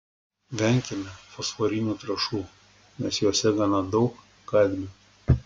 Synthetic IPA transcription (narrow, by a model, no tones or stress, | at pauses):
ʋʲɛŋʲkʲɛmʲɛfɔsfɔɾʲinʲuːt̪ɾɐʃuː | mʲɛsjoːsʲɛɡɐnɑd̪ɒʊkː | ɐlʲbʲe